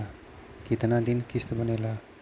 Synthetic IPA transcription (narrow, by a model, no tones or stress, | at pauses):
ɡ̥it̪nad̪inkist̪bʌnela